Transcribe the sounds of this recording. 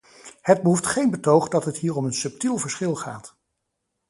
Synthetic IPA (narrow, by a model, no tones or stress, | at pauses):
həd̚bəɦuftχejnbətowχdɑtɦətɦiːrɔmənsɵp̚tilˠvəɹsχɪlˠχaːt